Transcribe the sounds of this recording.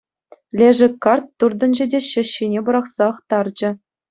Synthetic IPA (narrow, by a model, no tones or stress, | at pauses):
lʲeʐɘ̆kːɑrt̪ːurd̪ɤ̆nʑɘ̆dʲeɕɘ̆ɕːinʲebɤ̆ɾɑχsɑɤχt̪ɑrd͡ʑɘ̆